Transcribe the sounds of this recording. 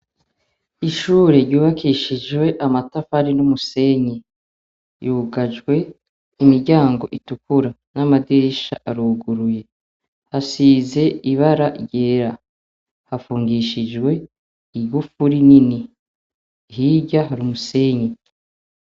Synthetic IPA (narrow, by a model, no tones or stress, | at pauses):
iʃuːɾeɾɟuːβakiʃid͡ʒwe̞ʔamatafaɾinumuse̞ɲe | juɡaʒɡwe̞ | imiɾɟaːŋɡo̞ʔitukuɾa | namadiɾiʃaʔaɾuɡuɾuje̞ | hasiːze̞iβaɾaɟe̞ːɾa | hafuːŋɡiʃid͡ʒwe̞ | iɡufuɾinini | ɦiɟaɦaɾumuse̞ɲe